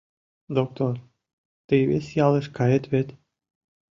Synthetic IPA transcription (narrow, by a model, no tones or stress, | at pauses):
d̪ok̚t̪or | t̪ɨjβesʲjɑlˠə̆ʃkɑjə̆t̪βet̪